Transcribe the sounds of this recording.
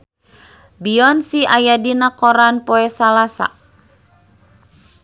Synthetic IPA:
biɔnsiʔajadinakɔɾanpɔɛsalasa̰

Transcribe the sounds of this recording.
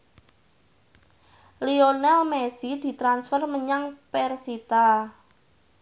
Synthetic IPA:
lionɛlmɛsid̪̥i̤t̪ɾansfərməɲaŋpɛrsit̪a

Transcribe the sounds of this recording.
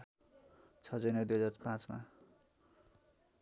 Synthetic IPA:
t͡sʰʌd͡zʌjnʌd̪ujɦʌd͡zarpãt͡sma̰

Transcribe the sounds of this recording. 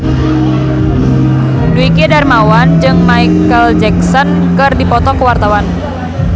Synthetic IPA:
duikidarmawand͡ʒɨŋmaikəld͡ʒɛksɔnkɨrdipɔt̪ɔkəwart̪awan

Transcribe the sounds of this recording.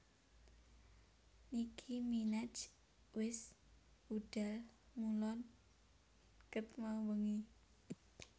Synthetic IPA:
nikʰiminḁd͡ʒ | wɪs | uɖ̥almulɔn | kət̪mawəŋi

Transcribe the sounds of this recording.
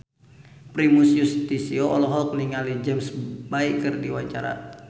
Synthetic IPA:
pɾimusjust̪isioʔɔlɔɦɔk̚niŋalid͡ʒɛmsbaikɨrdiwaɲt͡ʃaɾa̰

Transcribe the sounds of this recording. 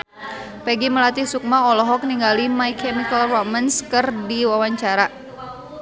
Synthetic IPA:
pɛɡiməlat̪isuk̚maɔlɔɦɔk̚niŋɡalimaikʰɛmikəlromənskɨrdiwawaɲt͡ʃaɾa

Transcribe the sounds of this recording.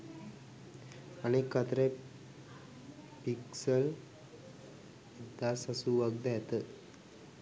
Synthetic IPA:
anikət̪ɾe | piksəl | d̪asəsuʋəɡ̚d̪ajat̪ə

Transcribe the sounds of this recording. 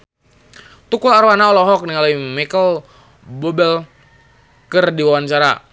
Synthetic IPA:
t̪ukulaɾwanaɔlɔɦɔk̚niŋalaimɛkəl | bɔbɛl | kərdiwawant͡ʃaɾa̰

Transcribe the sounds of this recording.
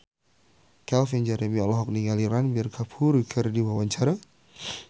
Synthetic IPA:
kɛlfɛnd͡ʒɛɾemiɔlɔɦɔk̚niŋaliɾanbɛrkʰapʰuɾikʰərdiwawaɲt͡ʃaɾa

